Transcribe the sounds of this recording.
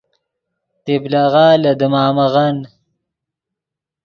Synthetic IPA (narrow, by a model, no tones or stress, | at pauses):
t̪eblaɣaːlɐd̪əmaːmaɣan